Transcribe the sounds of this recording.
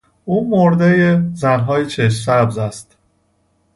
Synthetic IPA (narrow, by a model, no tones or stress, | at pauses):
ʔuːmoɾd̪ejezænɦɒːjet͡ʃʰeʃsæbzæst̪